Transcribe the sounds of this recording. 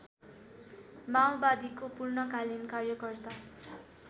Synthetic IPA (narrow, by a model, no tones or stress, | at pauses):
mawbad̪ikopurnʌkalinkarjʌkʌrt̪a